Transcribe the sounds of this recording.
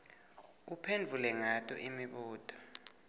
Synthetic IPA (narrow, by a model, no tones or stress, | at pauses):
upʰend͡vʱulɛŋatʼɔ̰ʔimiɓuːtʼɔ̥